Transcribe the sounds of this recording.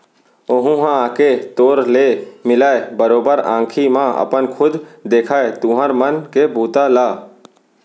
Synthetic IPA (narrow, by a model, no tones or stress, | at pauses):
oɦũɦãaːket̪oːɾleːmɪlaːebəɾoːbəɾã̰ːkʰimãʔə̰pənkʰʊd̪d̪eːkʰaːet̪ũɦəɾmənkebuːt̪alaː